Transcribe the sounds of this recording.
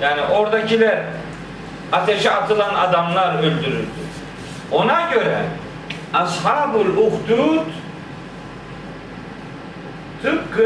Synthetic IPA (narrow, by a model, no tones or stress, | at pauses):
jaːniʔo̞ɾd̪acʰilʲæɾ | at̪ʰeʃɛat̪ʰɯlˠanad̪amlˠaɾølʲd̪yɾy̰ɾd̪y̰ | o̞naɟø̞ɾɛ | asɦaːbɯlʲuxt̪ʰuɾut̪ | t̪ʰɯp̚kɯ